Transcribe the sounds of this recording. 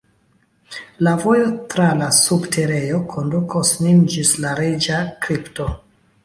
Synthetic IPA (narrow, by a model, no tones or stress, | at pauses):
lavo̞jotɾalasubtʰe̞ɾe̞jo̞kʰondukʰosnimd͡ʒislaɾed͡ʒakɾipto̞